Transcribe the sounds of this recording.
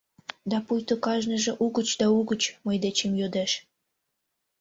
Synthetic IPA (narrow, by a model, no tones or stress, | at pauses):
d̪ɑpujt̪okɑʒnəʒĕʔuɣət͡ɕd̪ɑuɣət͡ɕməjd̪et͡ɕemjod̪eʃ